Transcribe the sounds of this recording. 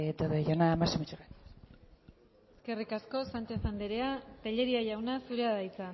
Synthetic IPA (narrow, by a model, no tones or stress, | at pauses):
et̪oðeʝonaːmasemet͡ʃuren | eske̞rikasko̞sant͡ʃesand̪eɾeat̪eʎe̞ɾiaʝawnasuɾe̞aðait͡san